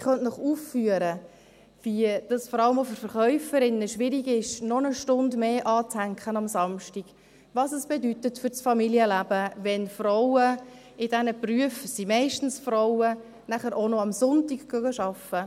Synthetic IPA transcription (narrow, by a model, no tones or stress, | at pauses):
χœnnɔχuːfːyəɾə | vid̥ɑsfɔɾɑləmofʏɾfəɾχœʏfəɾɪnːəʃʋɪɾiɡɪʃnɔnəʃtʊndmeːʔɑːt͡shæŋkχənɑmsɑmʃtiɡ̥ | ʋɑsəsb̥ɛdytətfʏɾt͡sfɑmiljəlæb̥əvɛnfrɔwə | ɪd̥ɛnəpryəfsimɛɪʃtn̩sfɾɔʊə | næχəɾʔonɔɑmsʊntikɡ̥øɡəʃɑfə